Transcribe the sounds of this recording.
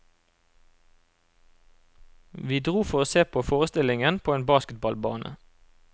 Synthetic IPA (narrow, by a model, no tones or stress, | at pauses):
ʋiːd̪ʁuːfɔʁoːseːpʰoːfoːʁəst̪ɪlɪŋənpʰoːeːnbɑːskət̪̚bɑlbɑ̰ːnʔə̰